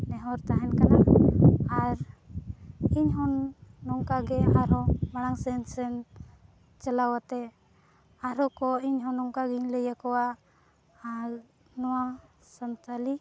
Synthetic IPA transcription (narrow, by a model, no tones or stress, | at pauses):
nɛɦɔɾt̪aɦɛnkana | aɾ | iɲɦɔnːɔŋkaɡɛaɾɔbaɽ̃aŋsɛnsɛn | t͡ʃalawat̪ɛ | aɾɔkɔiɲɦɔnɔŋkaɡiɲləjakɔwa | nɔwa | sant̪ali